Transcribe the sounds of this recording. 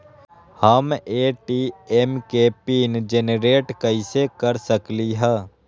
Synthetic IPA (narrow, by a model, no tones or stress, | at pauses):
həmeːʈiːemkepiːnd͡ʒenɾeːʈkɐisekəɾsəkliɦɛː